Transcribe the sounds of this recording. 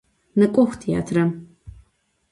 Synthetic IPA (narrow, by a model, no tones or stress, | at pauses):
nɨkʷʼɔxʷtʰja̰ːtʰrɐm